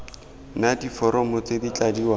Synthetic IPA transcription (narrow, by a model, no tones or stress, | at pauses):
nadifɔɾɔmɔt͡sedit͡ɬʼadiwa